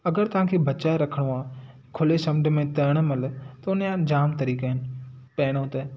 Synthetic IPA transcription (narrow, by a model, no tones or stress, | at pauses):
ɐɡəɾt̪ɐʋ̤ãːkʰeːbɐt͡ʃaːɾɐkʰəɽ̃ũãː | kʰʊlesɐ̃mɖ̆mẽt̪ɐɾɽ̃mɐlt̪ɐʊnjãd͡ʑaːmt̪ɐɾiːkaːɦɪnɪ̆pɛːɽ̃õt̪e